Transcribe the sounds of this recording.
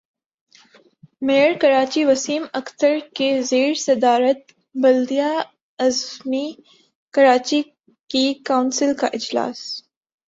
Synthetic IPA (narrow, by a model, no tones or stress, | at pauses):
meːəɾkɐɾaːt͡ʃiʋɐsiːmɐkt̪əɾkezeːɾsɐd̪aːɾət̪̚ | bɐld̪ija | ɐzmi | kɐɾaːt͡ʃi | kikaʊnsɪlka̰ʔɪd͡ʒla̰ːs